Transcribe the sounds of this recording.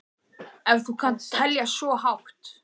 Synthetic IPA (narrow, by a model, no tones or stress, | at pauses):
ɛvθukʰant̪t̪ʰɛljasɔɦawxt̪